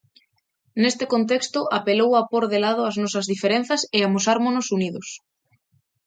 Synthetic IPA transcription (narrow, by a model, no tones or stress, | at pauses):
nest̪ɪkont̪ekst̪ʊʔapelowapoɾðelað̞ʊaznɔsɐzðifeɾen̟θɐseamosaɾmonosuniðʊs